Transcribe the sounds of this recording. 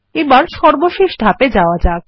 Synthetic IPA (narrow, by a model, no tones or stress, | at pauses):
ebaɾʃɔɾboʃiʃd̪ʱaped͡ʑaoad͡ʑak̚